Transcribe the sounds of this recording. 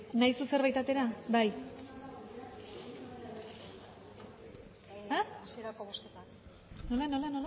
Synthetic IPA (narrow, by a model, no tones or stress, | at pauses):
najsuse̞ɾβajt̪at̪e̞ɾabaj | aasieɾakoβosket̪a | nolano̞lanola